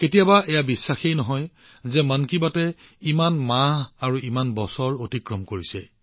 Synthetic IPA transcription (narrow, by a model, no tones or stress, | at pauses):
ketijabaʔɛjabisːaxejnɔɦɔj | zɛmankibatɛimanmaɦaɹuimanbɔsɔɹotikɹɔmkoɹisɛ̰